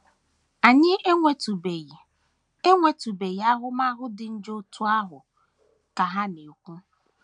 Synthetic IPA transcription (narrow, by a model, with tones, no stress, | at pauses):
a˨ɲɪ˦ʔe˦ŋʷe˨tu˨be˨ji˨ | e˦ŋʷe˨tu˨be˨ji˨˦a˦ɦʊ˦ma˦ɦʊ˦dɪ˨n̩˦d͡ʒo˦tu˦a˦ɦʊ˨ | ka˨ɦa˦ne˨kʷu˦